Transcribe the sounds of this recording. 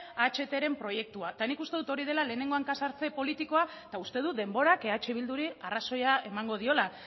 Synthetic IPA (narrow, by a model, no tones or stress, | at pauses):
at͡ʃe̞t̪e̞ɾe̞mpɾo̞je̞k̚t̪uat̪anikust̪e̞ðut̪o̞ɾið̞e̞lale̞ːne̞ŋɡo̞aŋkasaɾt͡se̞po̞lit̪iko̞at̪aust̪e̞ð̞ud̪e̞mbo̞ɾakeat͡ʃeβ̞ild̪uɾiaraso̞jae̞maŋɡo̞ð̞io̞la